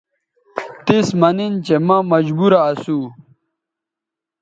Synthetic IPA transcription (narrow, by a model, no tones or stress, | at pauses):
t̪ismɐnint͡ɕemɐmɐd͡ʑbuɾaːsu